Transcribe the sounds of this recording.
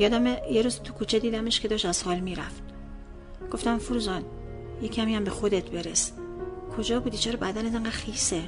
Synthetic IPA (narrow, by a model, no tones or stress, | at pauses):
jɒːd̪æmejeɾuːzit̪ʰukʰuːt͡ʃʰed̪iːd̪æmeʃkʰe̞d̪ɒːʃt̪æz̥hɒːlmiːɾæft̪ | ɡ̥o̞ft̪æmfuɾuzɒːn | jecʲʰæmijæmbexo̞d̪et̪ʰbe̞ɾeskʰo̞d͡ʒɒːbuːd̪it͡ʃʰɛːɾɔbæd̪ænæt̪eŋɡæːd̪̥xiːse